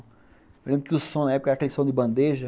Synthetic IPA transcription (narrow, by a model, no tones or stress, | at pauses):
ewlẽbɾʊkɪusõnɐɛpʊkɐɾakelsõd̪ɪbɐ̃nd̪eʒɐ